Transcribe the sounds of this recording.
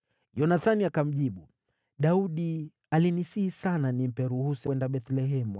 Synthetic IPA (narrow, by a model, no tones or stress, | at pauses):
jɔnaθaniakam̩ʄiɓu | ɗauɗi | alinisiisananim̩pɛɾuhusɛndaɓɛθlɛɦɛmu